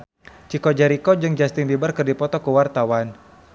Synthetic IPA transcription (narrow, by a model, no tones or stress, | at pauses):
t͡ʃikɔd͡ʒaɾikɔd͡ʒɨŋd͡ʒast̪ɪŋbibarkɨrdipɔt̪ɔkəwart̪awan